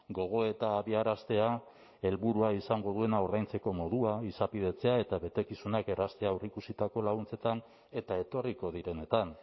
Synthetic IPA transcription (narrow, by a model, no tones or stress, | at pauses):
ɡo̞ɣ̞o̞e̞t̪aːβiaɾast̪e̞a | e̞lβuɾuaisaŋɡo̞ðue̞naoɾðajnt͡se̞ko̞mo̞ðuaisapið̞e̞t͡se̞ae̞t̪aβe̞t̪e̞kisunake̞rast̪e̞awrikusit̪ako̞laɣunt͡se̞t̪an | e̞t̪ae̞t̪o̞riko̞ð̞iɾe̞ne̞t̪an